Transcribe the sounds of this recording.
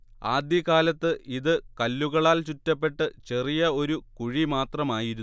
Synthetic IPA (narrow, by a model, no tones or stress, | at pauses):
aːd̪jɐkaːlɐt̪ːɨʔiðɨkɐlːuɣɐɭaːlt͡ɕutːɐpːe̞ʈːɨt͡ɕe̞rijɐo̞ɾukuɻimaːt̪rɐmaːjiɾu